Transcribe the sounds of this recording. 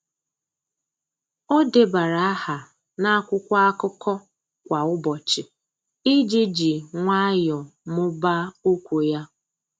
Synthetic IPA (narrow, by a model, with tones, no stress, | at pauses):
o˦de˨ba˨ɾa˨a˦ha˨ | na˦a˦kʷʊ˦kʷa˦a˦kʊ˦kɔ˦ | kʷa˨ʊ˦bɔ˨t͡ʃɪ˨ | ɪ˦d͡ʒi˦d͡ʒi˨ŋʷa˦jɔ˨mʊ˦ba˦o˦kʷu˨ja˦